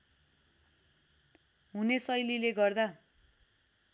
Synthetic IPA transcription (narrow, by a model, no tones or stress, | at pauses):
ɦunesʌjlileɡʌrd̪a